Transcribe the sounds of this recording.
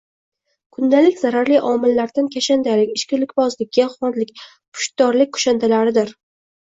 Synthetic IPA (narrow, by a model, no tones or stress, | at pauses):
kʰʊnd̪alɪkʲzaɾaɾliʔɒmɪlːaɾd̪ankʲʰaʃand̪alɪkʲɪʃkʲɪlɪkʲbɒzlɪkʲʰːaχɒnlɪkʲ | pʰʊ̥ʃt̪̚d̪ɒɾlɪkʲkʰʊ̥ʃand̪ʰalaɾɪd̪ɪɾ